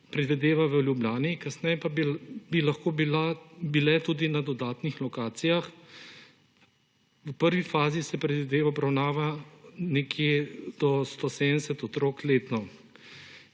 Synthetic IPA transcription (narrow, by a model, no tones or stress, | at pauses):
pɾɛd̪ʋid̪eːʋaʋəljublʲjaːnikasnɛjɛpabilaxkoːblabilɛt̪uːd̪inad̪ɔd̪aːt̪nixlɔkaːt̪sijax | ʋpəɾʋifaːzisɛpɾɛd̪ʋid̪eːʋaɔbɾawnaːʋanɛkjed̪̥ɔst̪ɔsed̪d̪ɛsɛt̪ɔt̪ɾoːkleːt̪nɔ